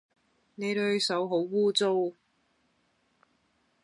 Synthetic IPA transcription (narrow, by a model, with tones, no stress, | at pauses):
ne˨˧jɾɵ˨˧ɥsɐ˨˥wɦo˨˥wwuː˥t͡so˥w